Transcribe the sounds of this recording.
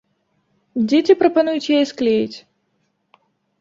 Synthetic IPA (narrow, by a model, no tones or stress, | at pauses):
d͡zʲet͡sʲipɾɐpanujut͡sʲjajɛsklʲejit͡sʲ